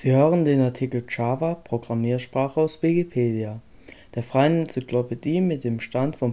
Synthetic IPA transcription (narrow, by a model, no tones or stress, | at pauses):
z̥iːhøːʁəndeːnaɐtʰikl̩t͡ʃaːvapʁ̥oɡʁamiːɐʃpʁ̥aːχəaʊsv̥ikipʰeːdia | d̥eːɐfʁ̥aɪənɛnt͡siklopediːmɪt̚d̥eːmʃtantfɔm